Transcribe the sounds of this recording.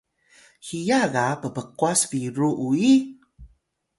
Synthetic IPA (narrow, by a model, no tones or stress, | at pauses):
hijaɣapəpəkwasviɾuʔui